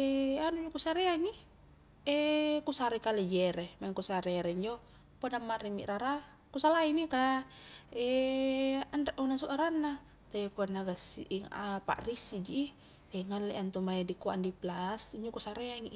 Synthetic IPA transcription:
eanud͡ʒokusaɾeaŋi | ekusaɾɛkaled͡ʒɛɾemaiŋkusaɾeɾeiɲd͡ʒo | podamːaɾimḭʔɾaɾa | kusalainika | e | andaʔunasuʔaɾanːa | t̪apanːaɡasḭʔŋapa̰ʔrisid͡ʒi | eŋalːeʔant̪umajadikuaʔndiplasiɲd͡ʒokusaɾeaŋiʔ

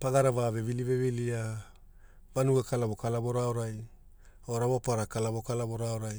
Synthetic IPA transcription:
paɡaɾavave̞vilivevilia | vanuɡakalaβo̞kalaβo̞ɾoaoɾaj | oɾaβopaɾakalaβokalaβo̞ɾoaoɾaj

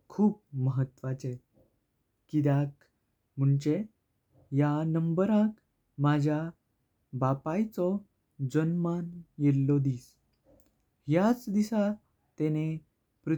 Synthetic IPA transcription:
kʰuːp̚məɦət̪ʋat͡ɕe | kid̪ak | m̤əɳt͡ɕe | janəmbəɾãk | mad͡ʑʱja | bapajt͡sɔ | d͡zənmanjelːɔd̪iːs | ɦjat͡sd̪isa | t̪ene | pɾu

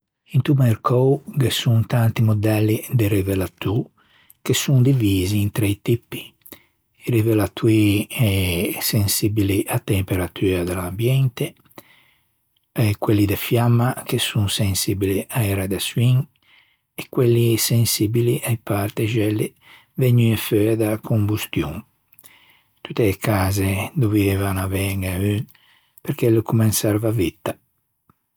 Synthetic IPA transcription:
int̪umeɾkʰowɡesunt̪ant̪imod̪ɛlːid̪eɾivelat̪ːu | kesund̪iviːziːnt̪ɾeit̪ipːi̥ | iɾivelat̪uiɛsensibiliʔat̪ːempeɾat̪ʰyːɾad̪elambjɛnt̪e | ekwelːid̪efjamːak̟esuŋsensibiliʔaɛɾad̪aswiŋ | ekwelːisensibiliʔajpart̪eʒɛlːe | vɛɲyefød̪akʰombust̪juŋ | t̪ut̪ːeːkaːzed̪ovivevanavɛŋay | peɾkelokumɛnsaɾvavit̪ːa

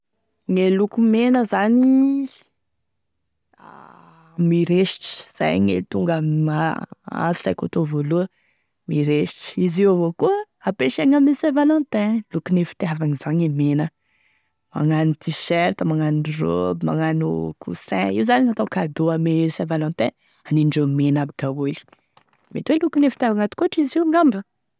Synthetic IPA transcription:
ŋelukumenəzani | a | miɾeʃʈ͡ʂi̥z̥a̰jŋḛlit̪uŋɡaaa̰zizajko̰t̪ovoluə | miɾeʃʈ͡ʂi̥iziwvokuə | apeʃaŋamesẽvalɔ̃nt̪ɛ̃lukunefi̥t̪eavaŋizaɲemenə | ma̰ŋanut̪iʃɛɾt̪əmaŋaniro̰bima̰ŋanukʰṵsɛ̰̃iwzaniɲat̪awkad̪oamesẽvalɔ̃nt̪ɛ̃ | aniɳɖ͡ʐomenabid̪awuli̥ | met̪welukunefi̥t̪iavaŋat̪i̥koʈ͡ʂiziwŋambə

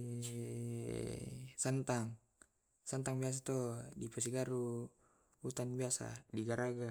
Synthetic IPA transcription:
sant̪aŋ | sant̪aŋbias̬at̪ɔdipɛs̬iɡaɾu | ut̪anbiasa̰diɡaɾaɡa

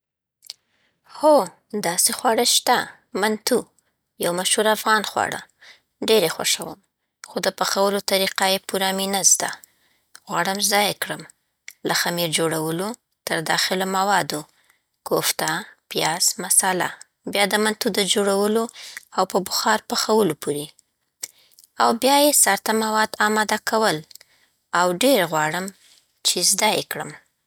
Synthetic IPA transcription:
xo | d̪ɑsexwɑɽəʃt̪a | mant̪u | jawmaʃhuɾafɣɑnxwɑ̰ɽa̰ | ɖeɾexwa̰ʂawə̰m | xod̪əpaxawəlot̪aɾiqajepuɾɑminast̪a | ɣwɑɽəmzɑjakɽəm | laxamiɾd͡ʒoɽawəlo | t̪əɾd̪ɑxɪlomawɑd̪o | koft̪apijɑzmasala̰ | bjɑd̪əmant̪ud̪əd͡ʒoɽawəloawpəbʊxɑɾpaxawəlopʰoɾe | awbjɑjesɑɾt̪amawɑd̪ɑmɑd̪akʰawəl | awɖeɾɣwɑɽəm | t͡ʃezd̪ɑjḛkɽə̰m

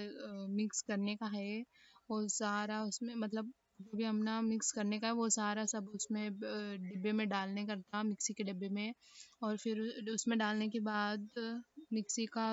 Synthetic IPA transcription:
mɪkskɐɾnekaɦɛːʋosaːɾaʊsmẽmɐt̪ləb̚ | d͡ʒobʱiɦɐmnamɪkskɐɾnekaɦɛʋosaːɾasɐbʊsmẽɖɪbːemẽɖaːlnekɐɾt̪amɪksikeɖɪbːemẽɔːɾfɪɾʊsmẽɖaːlnekebaːd̪mɪksika

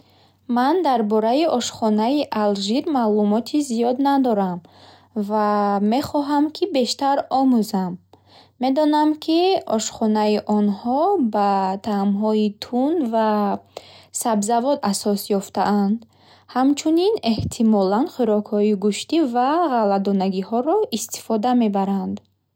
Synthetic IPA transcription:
mand̪aɾbɔɾaiʔɔʃχɔnaiʔalʒiɾmalumɔt̪ʰizijɔd̪nad̪ɔɾam | vame̞χɔɦamkʰibe̞ʃt̪aɾɔmuzamː | e̞d̪ɔnamkʰiɔʃχɔnaiʔɔnhɔbat̪ʰamɦɔit̪ʰunva | sabzavɔd̪asɔsjɔft̪aʔand̪ | hamt͡ʃʰunine̞ht̪ʰimɔlanχiɾɔkhɔiɡuʃt̪ivaʁalad̪ɔnaɡihɔɾɔʔist̪ʰi̥fɔd̪ame̞baɾand̪

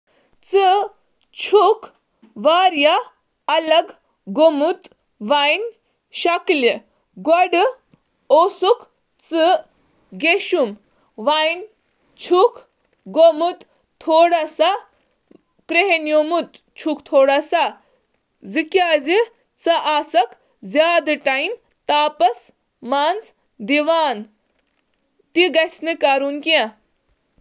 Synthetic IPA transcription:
t͡sɨ | t͡ʃʰuk | ʋaːɾja | ɐlɐɡ | ɡomut̪ | ʋajn | ɕɐkli | ɡoɽ | osuk | t͡sɨ | ɡeɕum | ʋajn | t͡ʃʰuk | ɡomut̪ | t̪ʰoːɽasa | kɾeɦenjomut̪ | t͡ʃʰukt̪ʰoːɽasa | zikʲjaːzi | t͡sɐʔaːsɐk | zʲjaːd̪ɨʈajm | t̪aːpɐs | maːnz | d̪iʋaːn | t̪iɡɐsnɨkaːɾunkiã

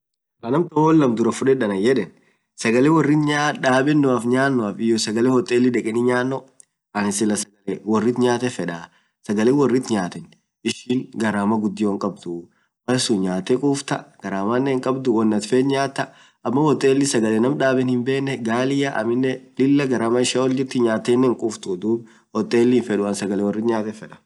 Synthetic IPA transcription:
ɐnɐmt̪ɔɔlːɐmd̪ʊɾɐfʊᶑɛᶑɐnɐjɛᶑɛn | sɐɡɐlewɔrːɪt̪ɲaːᶑaːbɛnːʊɐfɲaːnːɔɐfɪjɔsɐɡɐlɛwɔt̪ʼːeːlːɪᶑɛkʼɛnɪɲaːnːɔ | ɐnɪsɪlːɐsɐɡɐlɛwɔrːɪt̪ɲaːt̪ɛfɛᶑaː | sɐɡɐleːwɔrːɪt̪ɲaːt̪ɛn | ʔɪʃɪŋɡɐɾaːmɐɡʊd̪ːɪwɔŋkʼɐb̚d̪ʊ | mɐsuɲaːt̪ːɛkʼuːft̪ɐɡ̥ɐɾaːmɐnːɛŋkʼɐbd̪ʊwɔnːɐt̪feːt̪ɲaːt̪ːɐ | ʔɐmːɐwɔt̪ʼːeːlːɪsɐɡɐlɛnɐmᶑaːbɛnhɪmbe̞ːnːɛɡaːlɪjaʔɐ̰mɪnːɛlɪlːɐɡɐɾaːmɐɪʃaːwɔld͡ʒɪɾt̪ːɪɲaːt̪ːenːɛŋkʼuːft̪ʊd̪uːb | wɔt̪ʼːeːlːɪːnfɛᶑʊɐnsɐɡɐlɛwɔrːɪt̪ɲaːt̪ɛfɛᶑɐ̥

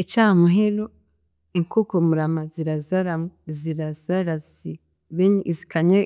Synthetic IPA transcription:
ecaːmuɦeɾo | iŋkokomuɾamaziɾazaɾamoziɾazaɾazi | βeɲzikaɲe

